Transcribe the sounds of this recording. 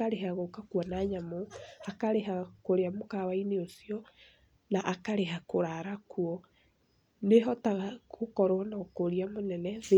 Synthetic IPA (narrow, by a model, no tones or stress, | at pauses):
aɾeɦaɣokakwɔnaɲamoakaɾeɦakoɾeamokawaineosiɔ | naʔakaɾeɦakoɾaɾakuɔ | neɦɔtaɣakokɔɾwnɔkoɾiamonɛnɛð